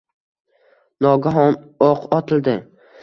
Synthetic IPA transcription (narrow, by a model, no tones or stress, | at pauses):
nɒɡaɦɒnɒqʰɒt̪ʰɪld̪ɪ